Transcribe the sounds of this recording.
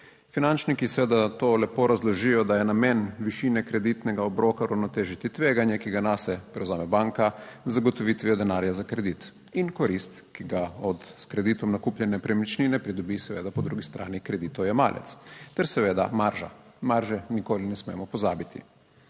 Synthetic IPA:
finant͡ʃnikisɛʋeːd̪at̪olɛpoɾazlɔʒijɔd̪ajɛnameːnʋiʃinɛkɾɛd̪it̪nɛɡaobɾoːkaɾawnɔt̪eːʒit̪it̪ʋeːɡanjɛkiɡanasɛpɾɛwzaːmɛbaŋkazːaɡɔt̪ɔʋit̪ʋiɔd̪ɛnaːɾjazakɾɛd̪it̪ | inkɔɾist̪kiɡaɔt̪skɾɛd̪iːt̪ɔmnakuːpljɛnɛpɾɛmit͡ʃninɛpɾid̪ɔbisɛʋḛːd̪apɔd̪ɾuɡist̪ɾʔa̰ːnikɾɛd̪iːt̪ɔwjɛma̰ːlʔɛ̰t̪st̪ɛɾsɛʋeːd̪a̰maɾʒa̰maɾʒɛnikoːlinɛsmḛːmɔpɔza̰ːbit̪ḭ

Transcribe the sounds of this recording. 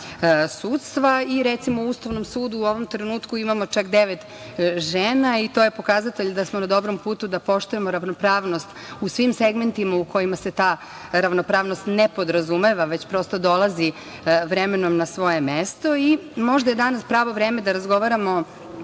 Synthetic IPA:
suːt̪st̪ʋaiɾet̪simo̞uust̪aʋno̞msuːd̪uːo̞ʋo̞mt̪ɾenuːt̪kuimamo̞t͡ʃakd̪eʋet̪ | ʒeːnait̪oːjepo̞kazat̪eʎd̪asmonad̪o̞bɾo̞mpuːt̪ud̪apo̞ʃt̪uje̞mo̞ɾaʋnopɾaːʋnost̪ | usʋimseɡme̞nt̪imauko̞jimase̞t̪aː | ɾaʋnopɾaːʋnost̪nepo̞d̪ɾazumeʋaʋe̞t͡ɕpɾo̞st̪o̞d̪o̞lˠazi | ʋɾemeno̞mnasʋo̞jemest̪o̞imo̞ʒd̪ajed̪anaspɾaːʋo̞ʋɾeːmed̪aɾazɡo̞ʋaɾamo̞

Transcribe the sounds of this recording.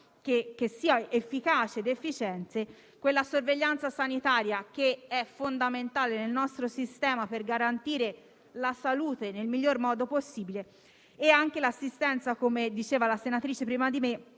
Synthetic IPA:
kek̟ːesːiːaefːikaːt͡ʃed̪efːit͡ʃɛnt̪se | kwelːasorveʎːant̪sasanit̪aːɾjak̟eɛfːond̪ament̪aːlenelnɔst̪ɾosist̪ɛːmaperɡaɾant̪iːɾe | lasaluːt̪enelmiʎːormɔːd̪oposːiːbile | eaŋk̟elasːist̪ɛnt̪sakomed̪it͡ʃeːvalasenat̪ɾiːt͡ʃepɾiːmad̪ime

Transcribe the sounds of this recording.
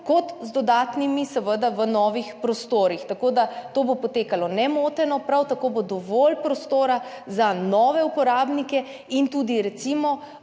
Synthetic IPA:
kɔt̪zd̪ɔd̪aːt̪nimisəʋəd̪aʋənɔːʋixpɾɔst̪oːɾixt̪akoːd̪at̪oːbopɔt̪eːkalɔnɛmoːt̪ɛnɔpɾawt̪akobod̪ɔʋoːlpɾɔst̪oːɾa | zanɔːʋɛupɔɾaːbnikɛ | int̪uːd̪iɾɛt̪simɔ

